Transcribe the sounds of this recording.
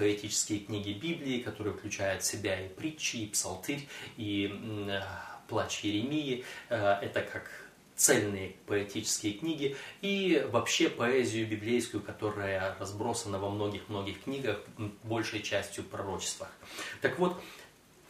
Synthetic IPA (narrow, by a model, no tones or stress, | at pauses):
pəɪtʲit͡ɕɪ̥skʲɪjəknʲiɡʲɪbʲiblʲɪːkɐt̪o̞ɾɨjəfklʲʉt͡ɕæjʊt̪sʲɪbʲaipɾʲit͡ɕːɪːpsɐ̰lˠt̪ɨɾʲi | plˠat͡ɕjɪɾʲɪmʲijɪɛt̪əkʰak | t̪sɛlʲnɨjəpəɛtʲit͡ɕɪ̥skʲɪjəknʲiɡʲɪivɐpɕːe̞pɐɛzʲɪjʊbʲɪblʲejskʊjʊkɐt̪o̞ɾəjərɐzbɾo̞sənəvɐmno̞ɡʲɪxmno̞ɡʲɪxknʲiɡəxbo̞lʲʂəjt͡ɕæsʲtʲjʊpɾɐɾo̞t͡ɕɪ̥st̪vəxt̪ɐkvo̞t̪